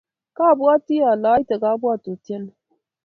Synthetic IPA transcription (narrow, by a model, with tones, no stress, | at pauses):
ka˦˨bu˦a˦ti˦ja˨la˨˦i˦ta˨ɡa˦bu˦a˦˨to˨ta˦n